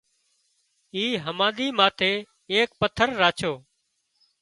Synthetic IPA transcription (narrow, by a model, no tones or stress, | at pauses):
iːɦəmãːɗ̪iːmaːt̪ʰeː | eːk̚pət̪ʰəɾːaːt͡ʃʰoː